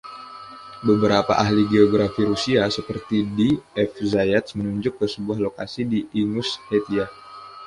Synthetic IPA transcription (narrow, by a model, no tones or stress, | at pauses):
bəbəɾapa̰ʔaɦliɡeoɡɾafiɾusiasəpərt̪idiɛfzajat̪smənuɲd͡ʒʊkːəsəbuahloka̰sidiiŋʊshet̪ia